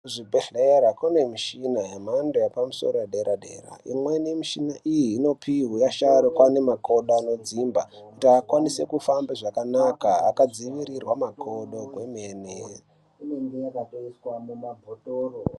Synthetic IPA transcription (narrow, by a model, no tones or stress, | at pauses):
ʐibʱeɬeɾakune̞miʃinajamandojapamuso̞̰rojaɗeɾaɗe̞̰ːra̰ḭmwe̞nemiʃinaʔijiːno̞pʰiɦujaʃaɾokwane̞makʰo̞ɗoano̞d͡zimba̰kutiakwanise̞kufambeʐakanakaakad͡ziʋiɾirwamakʰo̞ɗo̞ɡʱwemene | ineŋɡejakatoiswamumabʱotoro